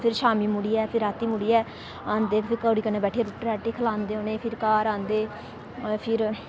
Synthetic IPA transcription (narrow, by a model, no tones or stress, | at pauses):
pʰɪɾʃaːmiːmuɽiːɛːpʰɪɾaːt̪iːmuɽiːɛː | ãːnd̪eːkpʰɪɾkəːɽiːkənːeːbɛːʈʰeeːɾʊʈːɾɛːʈeːkʰəlãːnd̪eːɦõːneːpʰɪɾkaːɾãːnd̪eː | pʰɪɾ